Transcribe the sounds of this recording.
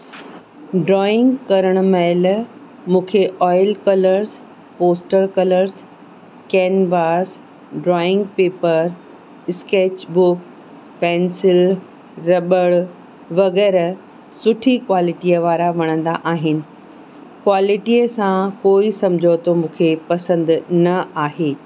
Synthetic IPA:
ɖɾɔːɪ̃ŋɡkɐɾəɽ̃ʊmɛl | mũːkʰeʔɔːɪlkɐləɾs | poːsʈəɾkɐləɾz | kɛːnbaːs | ɖɾɔːɪ̃ŋɡ̚peːpəɾ | ɪskeːt͡ɕbʊk | pɛːnsɪl | ɾɐɓəɭ | ʋɐɣɛːɾ | sʊʈʰikwaːlɪʈiəʋaːɾaʋɐɽ̃ə̃nd̪aʔaːɦɪnɪ̆ | kwaːlɪʈiəsãkoːisɐ̃md͡ʑʱot̪omũːkʰepɐsə̃nd̪nɐaːɦeː

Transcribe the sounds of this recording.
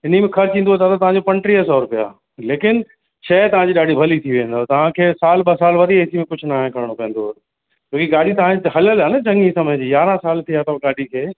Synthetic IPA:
ɪnimẽxʰɐɾt͡ɕĩːnd̪ot̪ʰat̪ɐt̪ɐʋ̤ãɲd͡ʑopɐ̃ɳʈɾiəsɔːɾpija̰ː | leːkɪn | t͡ɕʰɛːt̪ɐʋ̤ãɲd͡ʑiːɗaːɖʱibʱɐlit̪ʰiʋẽːn̆d̪ot̪ɐʋ̤ãkʰeːsaːlɓɐsaːlʋɐd̪ieːsimẽkʊd͡ʑʱʊnaːɦẽkɐɾɪɽ̃opẽːnd̪oɦt̪ | t͡ɕoːkiɠaːɖ̤ʱit̪ɐʋ̤ãɦɐləlanɐd͡ʑɐ̃ŋiːsɐmə̃d͡ʑijaːɾãsaːlt̪ʰiat̪ɐɡaːɖʱikʰeː

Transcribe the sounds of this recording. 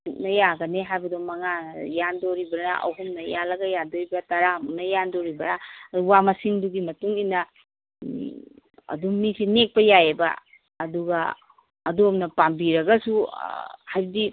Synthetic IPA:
tuk̚nɐjaɡɐneɦajbɐdomɐŋajandoɾibɐɾnɐʔɐ̰wɦumnɐjalɐɡɐjandoɾibɐtaɾamumnɐjandoɾibɐɾaduwamasiŋduɡimɐtuŋinːɐ | ɐ̰dumisinek̚pɐjajebɐ̰ː | duɡɐ | ɐdomnɐpambiɾɐɡɐsu | hajbɐdi

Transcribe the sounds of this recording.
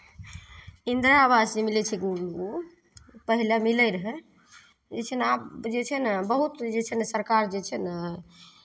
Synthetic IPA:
ind̪ɾaːbasd͡ʒemilɛt͡ʃʰɛɡuɾu | pəɦilamiləjɾəɦɛ | d͡ʒet͡ʃʰənad͡ʒet͡ʃʰənbəɦut̪d͡ʒet͡ʃʰənsəɾkaɾd͡ʒet͡ʃʰən

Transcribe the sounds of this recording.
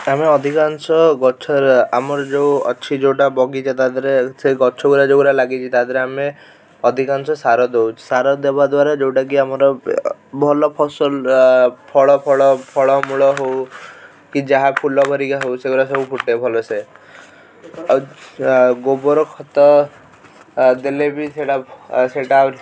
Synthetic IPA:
ameɔd̪ʱikansɔɡɔt͡ʃʰɔɾamɔɾɔd͡ʒewɔt͡ʃʰid͡ʒewʈabɔɡit͡ʃʰɔt̪ad̪ʱɔɾeseɡɔt͡ʃʰɔuɾad͡ʒewɾalaɡit͡ʃʰit̪ad̪ʱɔɾeame | ɔd̪ʱikansɔsaɾɔd̪ewt͡ʃʰi̥saɾɔd̪ebad̪waɾad͡ʒewʈak̬iamɔɾɔbʱɔlɔpʰɔsɔlpʰɔɭɔpʰɔɭɔpʰɔɭɔmuɭɔɦow | kid͡ʒaɦapʰulɔbʱɔɾikaɦowseɡuɾasɔbupʰuʈːepʰɔlɔse | ɡobɔɾɔkʰɔt̪ɔ | d̪elebʱiseɽaseʈaɾ

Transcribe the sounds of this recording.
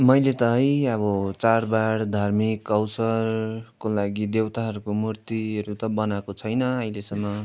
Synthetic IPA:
mʌjlet̪ʌɦʌjʌbʌt͡saɾbaɽd̪ʱarmikːʌwsʌrkolaɡid̪ewt̪aɦʌɾukomurt̪iʌɾut̪ʌbʌnakot͡sʰʌjnʌʌilesʌmːʌ

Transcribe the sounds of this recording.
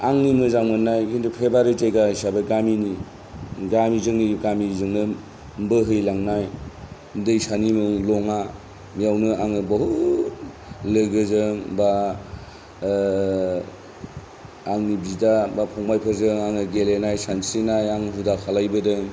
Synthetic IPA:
aŋnimɯzaŋmɯnajkʰindupʰebaɾizajɡaisabeɡamini | ɡamizɯŋniɡamizɯŋnɯ | mbɯɦɯjlaŋnaj | dɯjsanimɯlɔŋa | mijawnɯaŋɯbɐɦut̚ | lɯɡɯzɯŋba | ŋnibidabapʰɔŋmajpʰɯɾzɯŋaŋɯɡelenajsansinajaŋnɦudakʰalajbɯdɯŋ

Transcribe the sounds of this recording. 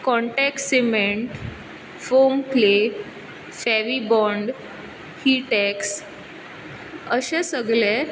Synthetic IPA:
kɔ̃ɳʈɛksemeɳʈ | fomple | fɛʋibɔɳɖ | hiʈɛks | əɕẽsəɡlɛ

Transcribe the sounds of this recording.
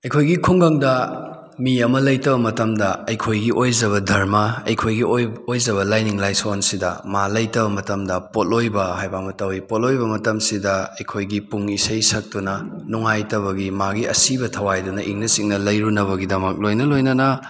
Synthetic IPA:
ɐjkʰojɡikʰuŋɡɐŋdɐ | miɐmɐlɐjtɐbɐmɐtɐmdɐɐjkʰojɡiʔojzɐβɐdʱɐɾmɐɐjkʰojɡiojzɐβɐlajniŋlajsonsidɐ̰malɐjtɐbɐmɐtɐmdɐpotojbɐhajbamɐtɐwipot̚ojbɐmɐtɐmsidɐɐjkʰojɡipuŋisɐjsɐk̚tunɐnuŋajtɐβɐɡimaɡiɐ̰sibɐtʰɐwajdunɐʔiŋnɐsiŋnɐlɐjɾunɐβɐɡidɐmɐk̚lojnɐlojnɐnɐ

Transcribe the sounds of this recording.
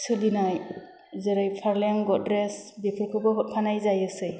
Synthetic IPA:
sɯlinaj | zeɾajpʰaɾlaŋɡɔdɾesbikʰɯlkʰɯbɔɦɔt̚pʰanajzajɯsɯj

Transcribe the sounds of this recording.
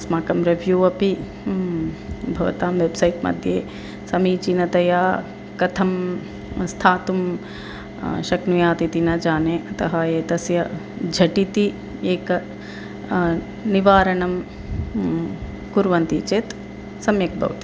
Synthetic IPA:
smaːkɐmɾɐʋʱjuːɐpi | bʱɐʋɐ̰t̪aːmʋebsɐjʈmɐ̰d̪ʱjeː | sɐmiːt͡ʃinɐt̪ɐjaː | kɐt̪ʰɐm | st̪ʰaːt̪um | ʃɐknujaːt̪it̪inɐd͡ʒaːneːʔɐt̪ɐɦɐeːt̪ɐsjɐd͡ʒʱɐʈit̪i | eːkɐ | niʋaːɾɐɳɐm | kuɾʋɐnt̪iːt͡ʃeːt̪ | sɐmjɐk̚bʱɐ̰ʋt̪i̥

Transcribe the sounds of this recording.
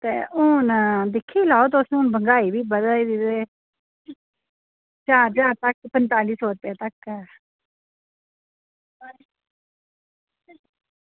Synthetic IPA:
t̪ḛːʔʊnd̪ɪkʰːiːlaːoːt̪osʊnbəŋɡaːiːbiːbəd̪aːiːd̪iːd̪eː | t͡ʃaːɾd͡ʒaːɾt̪əkpənt̪aːliːsɔːɾəpjaːt̪əkːɛː

